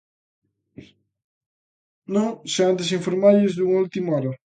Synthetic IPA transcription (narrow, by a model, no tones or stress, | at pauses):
nõŋseant̪ɪs̬iɱfoɾmaʎɪzðuŋult̪imɔɾɐ